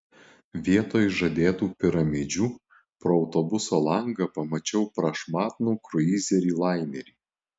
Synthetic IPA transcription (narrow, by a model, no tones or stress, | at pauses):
ʋʲiɛt̪oːjʒɐd̪ʲeːt̪uːpʲɪɾɐmʲɪd͡ʒʲuː | pɾoɔʊt̪ɔbʊsoːlˠɐŋɡɐpɐmɐt͡ʃʲɛʊpɾɐʃmɑːt̪nuːkɾʊiːzʲɛɾʲiːlˠɑɪmʲɛɾʲiː